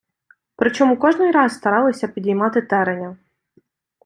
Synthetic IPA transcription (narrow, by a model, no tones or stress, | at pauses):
pɾɪt͡ʃɔmukɔʒnɪjɾɑsst̪ɐɾɑlˠɔsʲɐpʲid̪ʲijmɑt̪ɪt̪ɛɾenʲɐ